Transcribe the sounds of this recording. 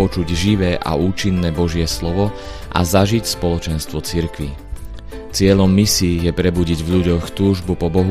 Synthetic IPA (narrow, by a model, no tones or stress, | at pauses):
ɔt͡ʃuɟʒiʋɛːʔa̰uːt͡ʃinːɛːbɔʒɪɛslɔʋɔ | ʔa̰zaʒicspɔlɔt͡ʃɛnst̪ʋɔt͡siɾkʋi | t͡sɪɛʎɔmːisiːjɛpɾɛbuɟiɟvʎuɟɔxt̪uːʒbupɔbɔɦu